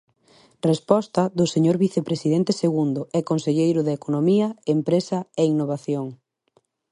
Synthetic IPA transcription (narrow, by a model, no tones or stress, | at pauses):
respɔst̪ɐðʊseɲoɾβiθepɾesiðɛnt̪eseɣund̪ʊɛkonseʎejɾʊðekonomiɐempɾesɐeinoβ̞aθjoŋ